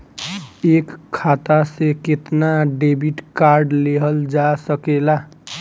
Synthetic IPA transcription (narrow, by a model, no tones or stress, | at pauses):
ekʰːat̪aseket̪naɖebiʈkaɾɖleɦəld͡ʒasəkela